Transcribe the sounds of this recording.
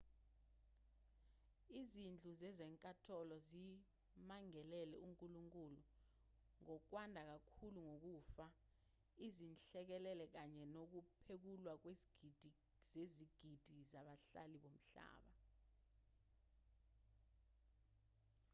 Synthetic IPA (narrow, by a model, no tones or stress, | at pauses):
izind͡ɮʱuzɛzɛŋkʼatʰɔlɔzi | maŋɛlɛlɛ̰uŋkʼuluŋkʼulu | ŋɔk̬wandʱak̬akʰuluŋok̬uːfa | izinɬɛk̬ɛlɛlɛk̬aɲɛnok̬upʰek̬ulwak̬wed̥ʱ | zeziɡ̥ʱid̥ʱizaɓaɬa̰liɓom̩ɬa̰ːɓa